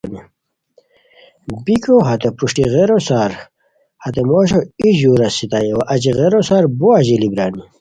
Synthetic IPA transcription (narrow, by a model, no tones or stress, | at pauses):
ni | bikoɦɐt̪epuʂʈiɣeɾosaːɾ | hɐt̪emoːɕoiʑuːɾɐsit̪ajewɐʔɐt͡ɕiɣeɾosaːɾboaʑilibɾaːni